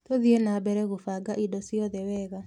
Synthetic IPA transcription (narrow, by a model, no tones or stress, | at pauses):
toðienabɛɾɛɣofaːɡaʔidɔsjɔðɛwɛɣa